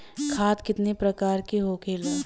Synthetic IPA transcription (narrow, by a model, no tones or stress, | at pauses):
kʰaːt̪kɪt̪nepɾɐkaːɾkiɦoːkʰeːlaː